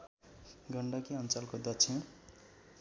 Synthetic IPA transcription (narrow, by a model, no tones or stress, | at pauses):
ɡʌɳɖʌkiʌnt͡salkod̪ʌt͡sʰẽ